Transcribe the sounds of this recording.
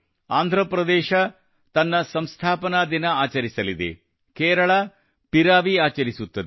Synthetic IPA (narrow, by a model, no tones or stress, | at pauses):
aːnd̪ʱɾɐpɾɐd̪ɛːʃɐ | t̪ɐnːɐsɐmst̪ʰaːpɐnaːd̪inɐaːt͡ʃɐɾisɐlid̪ḛ | kɛːɾɐɭɐ | piɾaːʋiaːt͡ʃɐɾisut̪ːɐd̪e